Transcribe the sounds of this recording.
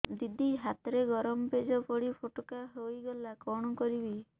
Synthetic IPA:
d̪id̪ʱiɦat̪ɾeɡɔɾɔmɔped͡ʒɔpɔɽipʰoʈokaɦojɡɔlakɔɽ̃ɔkɔɾibi

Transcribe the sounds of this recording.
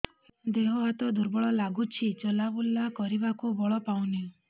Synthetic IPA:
d̪eɦoɦat̪ɔd̪uɾbɔɭɔlaɡut͡ʃʰit͡ʃɔlabulːakɔɾibakubɔɭɔpaw̃niũ

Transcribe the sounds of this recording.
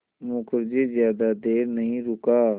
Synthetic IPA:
mʊkəɾd͡ʒezjaːd̪ad̪eːɾnəɦĩɾʊkaː

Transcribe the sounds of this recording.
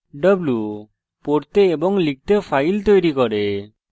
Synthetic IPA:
ɖəblu | poɾt̪eːbɔŋlik̚t̪epʰajlt̪ojɾikɔɾe

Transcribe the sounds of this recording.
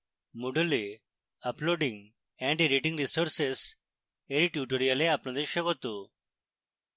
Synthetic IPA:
muɽule | əploɖĩŋɡ | ɛ̃ɳʈiɾiʈĩŋɡɾisoɾses | eɾiʈjuʈoɾijaleapnãd̪eɕəɡot̪o

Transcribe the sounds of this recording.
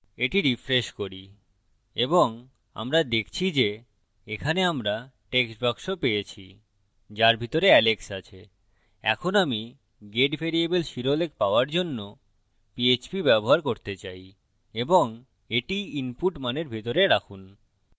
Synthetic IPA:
eʈiɾifɾeʃkoɾi | eboŋ | a̰mɾad̪ekʰt͡ɕʰid͡ʑe | ekʰaneamɾaʈeksbʱakʃopejet͡ɕʰi | d͡ʑaɾbʱit̪oɾeɛleksat͡ɕʰe | ɛ̰kʰonami | ɡeɖbʱeɾiebelʃiɾolekpaoaɾd͡ʑonːo | piet͡ɕpibɛboɦaɾkoɾt̪et͡ɕaj | eboŋ | eʈiinpuʈmaneɾbʱit̪oɾeɾakʰun

